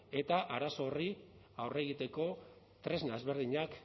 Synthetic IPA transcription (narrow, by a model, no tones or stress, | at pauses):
e̞t̪aʔaɾaso̞ri | awre̞ɣ̞it̪e̞ko̞ | t̪ɾe̞znaezβe̞ɾð̞iɲak